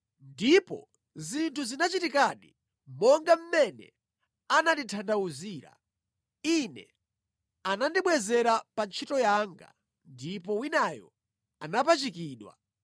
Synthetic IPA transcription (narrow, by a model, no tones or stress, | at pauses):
ndipɔ̰ | zintʰuzinat͡ʃitikaɗi | mɔŋɡam̩mɛnɛ̰ | ananditʰandauziːɾa̰ | inɛ̰ | anandiɓwɛzɛɾapant͡ʃʰitɔjaŋɡa̰ | ndipɔwinajɔ̰ | a̰napat͡ʃikiːɗwa̰